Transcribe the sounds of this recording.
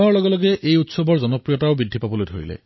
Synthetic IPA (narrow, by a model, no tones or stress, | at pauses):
ɔɹlɔɡɔlɔɡeʔejutsɔbʱɔɹd͡ʒɔnɔpɹijɔtaobid̪ʱːipabɔlojtʰo̰ɹḭlḛ